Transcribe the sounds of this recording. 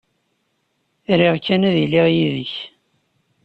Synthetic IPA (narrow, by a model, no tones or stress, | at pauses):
ɾiʁkːænæðilɪʁjiðəç